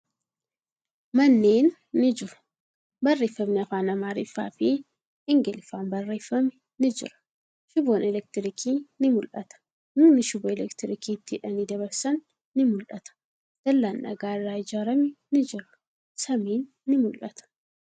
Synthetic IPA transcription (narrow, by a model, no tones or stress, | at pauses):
mɐnːeːnː | ɪd͡ʒɪɾɐ̥ | bɐrːe̞ːfːɐmnɪɐfaːnɐmaːɾɪfːa̰ːfɪ | ɪŋɡɛlɪfaːnbɐrːe̞ːfːɐmɛ | nɪd͡ʒɪ̰ɾɐ̥ | ʃʊboːnɛlɛk̚t̪ɪɾɪkʰiːnɪmʊlʔɐt̪ɐ̥ | nʊnːɪʃɪboːɛlɛkt̪ɪɾɪkiːt̪ːɪɪᶑɐnɪd̪ɐβɐɾsɐnː | ɪmʊlʔɐt̪ɐ̥ | d̪̥ɐlːaːnʔɐ̰ɡaːɪrːaːɪd͡ʒaːɾɐmɛnɪd͡ʒɪɾɐ | sɐmiːnːɪmʊlʔɐt̪ɐ̥